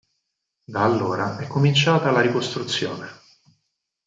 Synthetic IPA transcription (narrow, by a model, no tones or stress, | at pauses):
d̪aːlːoːɾaɛkːomint͡ʃaːt̪alaɾikost̪ɾut̪sːjoːne